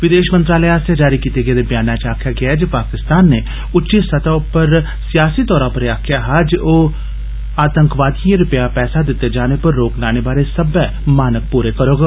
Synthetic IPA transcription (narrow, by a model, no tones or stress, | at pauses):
ʋɪd̪eːʃmə̃nt̪ɾaːləaːsjad͡ʒaːɾikiːt̪eɡed̪ɐbjaːnaːt͡ʃaːkʰjaɡɐjaɦɛd͡ʒɐpaːkɪst̪aːnːe | ʊtːʃisɐt̪apɐɾ | sijaːsit̪ɔːɾãpɐɾjaːkʰjaɦaːd͡ʒoː | aːt̪ə̃ŋkʋaːd̪iẽɾʊpjapɛːsad̪ɪt̪ed͡ʒaːnepɐɾːoːklaːnebaːɾesɐbɛ | maːnək̚puːɾekɐɾoːɡaː